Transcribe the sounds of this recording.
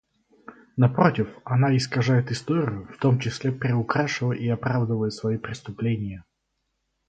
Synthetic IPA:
nɐpɾotʲɪfɐnaɪskɐʐajɪt̪ɨst̪oɾʲɪjʊft̪omt͡ɕɪsʲlʲepʲɾʲɪʊkɾaʂɨvəʔiɐpɾavd̪əvəjɪt̪svɐipɾʲɪst̪ʊplʲenʲɪjə

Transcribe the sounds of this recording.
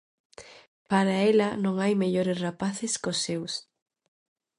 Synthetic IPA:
paɾaɛlɐnõŋajmeʎoɾɪsrapaθɪskosːews

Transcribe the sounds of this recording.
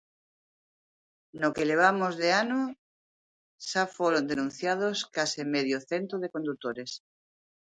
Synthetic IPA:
nokeleβ̞amozðeano | ʃafoɾond̪enũn̟θjað̞oskasemeðjoθent̪ɾoð̞ekond̪ut̪oɾes

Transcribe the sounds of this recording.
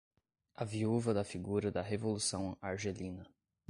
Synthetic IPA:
ɐviuvɐd̪ɐfiɡuɾɐd̪ɐɦevolusɐ̃w̃aɾʒelĩnɐ

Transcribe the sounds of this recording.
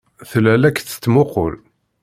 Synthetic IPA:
θlælækθə̥t͡s̪ːmʊqo̰l

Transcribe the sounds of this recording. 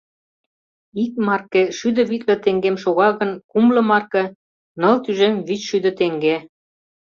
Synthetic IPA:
ik̚mɑrkeʃyd̪ə̆βit̪lə̆t̪eŋɡemʃoɣɑɣə̆nkumlɤ̆mɑrkĕ | nɤ̆lt̪yʒemβyt͡ɕʃyd̪ə̆t̪eŋɡe

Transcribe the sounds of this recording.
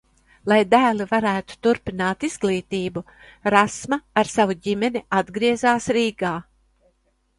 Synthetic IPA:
lˠajd̪æːlivaɾæːt̪u̥t̪uɾpinaːt̪izɡlˠiːt̪iːbu | ɾasmaaɾsavuɟimɛniad̪ɡɾiɛzaːsɾiːɡaː

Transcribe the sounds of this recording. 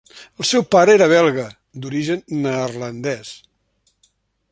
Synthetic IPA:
əlˠsɛwpaɾəeɾəβ̞ɛlˠɣə | d̪uɾiʒənːərlənd̪ɛs

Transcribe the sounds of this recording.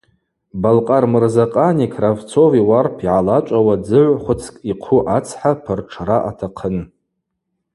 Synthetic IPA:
balqʼarmɨrzaqʼanikʰravt͡sʰoviwarpʰiʕalat͡ʃʷʼawad͡zɨʕʷχʷʊt͡sʰkʼiqʰʊʔat͡sʰħapʰɨrʈ͡ʂʰraʔatʰaqʰən

